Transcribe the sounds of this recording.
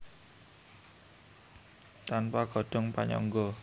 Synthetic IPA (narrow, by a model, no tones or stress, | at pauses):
t̪anpaɡ̥ɔ̤ɖ̥ɔ̤ŋpa̰ɲɔ̰ŋɡɔ